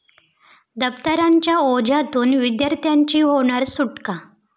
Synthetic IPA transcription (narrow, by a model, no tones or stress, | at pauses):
d̪əpt̪əɾaɲt͡ɕjaod͡ʑat̪uːnʋid̪jaɾt̪jaɲt͡ɕiːɦoɽ̃aɾsuʈka